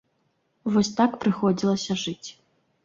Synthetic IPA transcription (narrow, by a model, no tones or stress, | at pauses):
vɔsʲt̪akpɾɨxɔd͡zʲilˠɐsʲɐʐɨt͡sʲ